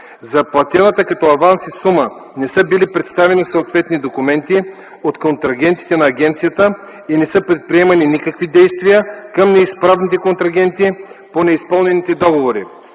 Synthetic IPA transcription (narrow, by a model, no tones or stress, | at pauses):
zɐplˠɐt̪ʲɛnət̪əkɐt̪ɔɐvansisumə | nɛsɤbilipɾɛt̪st̪avɛnisoot̪vɛt̪nid̪okumɛnt̪i | ot̪kont̪ɾɐɡʲɛnt̪i̥t̪ɛnɐːɡʲɛnt̪sijət̪ə | inɛsɤpɾɛt̪̚pɾiɛmɐninikəkvid̪ɛjst̪vijəkəmnɛispɾavnit̪ɛkont̪ɾɐɡ̟ɛnt̪iponɛispɤlˠnɛnit̪ɛd̪ɔɡovoɾḭ